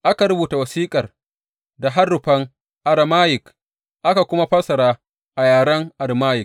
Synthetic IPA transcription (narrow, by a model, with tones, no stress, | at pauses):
ʔa˦ka˨ɾʊ˦buː˨ta˨wɐ˨siː˦kʼɐ˨r | da˨ɦa˦rːʊ˨ɸɐ˦ŋ | ʔa˨ɽa˨maː˦jɪ˨k | ʔa˦ka˨kʷʊ˦ma˦ɸɐ˦sɐ˨ɾaː˦ | ʔa˨jaː˨ɽɐ˦ŋʔa˨ɽmaː˦jɪ˨k̚